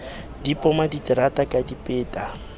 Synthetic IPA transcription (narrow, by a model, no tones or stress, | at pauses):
dipʼɔmaditɾatʼakʼadipʼeːtʼa